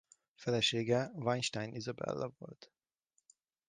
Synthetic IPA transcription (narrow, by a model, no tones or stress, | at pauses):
fɛlɛʃeːɡɛvaɲʃt̪ajnʔizɒbɛ̰lːɒvo̞̰lt̪